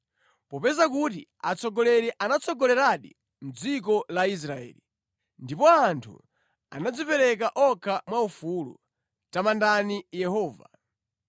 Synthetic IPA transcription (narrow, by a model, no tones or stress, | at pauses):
pɔpɛzakutḭat͡sɔɡɔlɛɾɛʔanat͡sʰɔɡɔlɛɾaɗḭ | m̩d͡zik̬ɔlais̬ɾaɛ̰ːli | ndipɔantʰṵ | a̰nad͡zipɛɾɛkaʔɔkʰamwaufulṵ | tamandanijɛhɔːva̰